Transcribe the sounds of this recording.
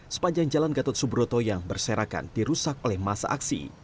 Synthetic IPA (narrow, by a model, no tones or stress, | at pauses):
sə̥paɲd͡ʒaŋd͡ʒalanɡat̪ɔt̪̚subɾot̪ojaŋbərseɾaka̰ndiɾusakolɛhmasa̰ʔaksḭ